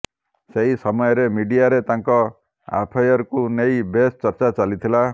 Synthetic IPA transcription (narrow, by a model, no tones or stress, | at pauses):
seɦisɔmɔjɔɾemiɖijaɾet̪aŋkɔ | a̰pʰajɔɾkunejbest͡ʃɔɾt͡ʃat͡ʃalit̪ʰila